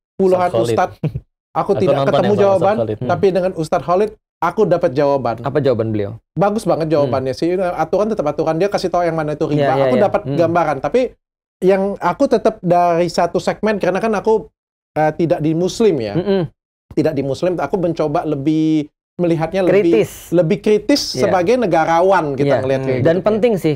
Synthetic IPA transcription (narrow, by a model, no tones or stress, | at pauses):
puluɦanust̪at̪̚ | ʔakut̪idaʔkət̪əmud͡ʒawabant̪t̪apidəŋanust̪at̪̚ɦolɪt̪̚ | akudapat̪̚d͡ʒawabanapad͡ʒawabanbəlia̰baɡʊsbaŋət̪̚d͡ʒawabanjasɪhəat̪uɾant̪ət̪əpat̪uɾandiakasit̪aujaŋmanait̪uɾipaakudapat̪̚ɡambaɾant̪api | jaŋakut̪ət̪əp̚daɾisat̪usɛk̚mɛnkəɾənakanaku | ət̪idaʔ̚dimuslɪmja̰ | t̪idak̚dimuslɪmakubəɲt͡ʃobaləbɪh | məliɦat̪̚ɲaləɾibɪɪsləbɪhkɾit̪ɪsːəbaɡajnəɡaɾawanɡiaŋəliat̪hidanpənt̪ɪŋsɪh